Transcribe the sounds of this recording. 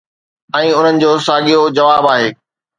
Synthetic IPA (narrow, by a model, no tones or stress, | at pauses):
ɛ̃ːʊn̤ənɪ̆d͡ʑoːsaːɠijod͡ʑɐʋaːbaːɦeː